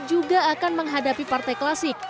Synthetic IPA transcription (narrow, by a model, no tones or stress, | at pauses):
d͡ʒuɡaːkanməŋɦadapipart̪ajklasɪk̚